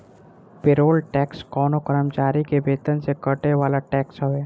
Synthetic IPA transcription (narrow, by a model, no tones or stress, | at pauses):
pɪɾoːlʈɛːkskɔːnokəɾəmt͡ʃaːɾikebeːt̪ənsekəʈeʋaːlaʈɛːksɦoʋeː